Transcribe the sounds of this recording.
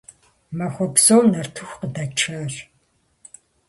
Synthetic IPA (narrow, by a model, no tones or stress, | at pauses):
mɐxʷɔpsownɐrtʰɨxʷqədɐt͡ʃʰaːɕ